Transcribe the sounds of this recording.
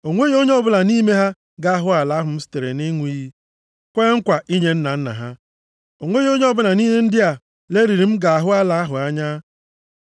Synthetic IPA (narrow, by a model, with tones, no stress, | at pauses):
o˨ŋʷe˦ɣo˦ɲ˦ɔ˦bʊ˦na˨ni˦me˦ɦa˦ | ɡa˦a˦ɦʊ˦a˨la˨˦ɦʊ˨m̩˦sɪ̥˦te˨ɾḛ˨ni˦ŋʷ˦i˦ɦi˦ | kʷe˦ŋ̩˦kʷa˨ʔi˦ɲe˦n̩˦na˨n̩˦na̰˨ɦa˦ | o˨ŋʷe˦ɣi˦o˦ɲe˦ɔ˦bʊ˦na˨ni˦ɦe˦n̩˦dɪ˦a˨ | le˦ɾi˨ɾi˨m̩˦ɡa˨a˨ɦʊ˦a˦la˨a˦ɦʊ˨a˦ɲa˦